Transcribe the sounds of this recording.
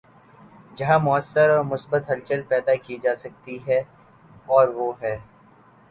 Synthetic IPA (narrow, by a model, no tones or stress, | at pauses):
d͡ʒɐɦãmʊəsːəɾɔːɾmʊsbət̪ɦɐlt͡ʃəlpɛːd̪akid͡ʒaːsɐk̚t̪iɦɛ | ɔːɾʋoːɦɛː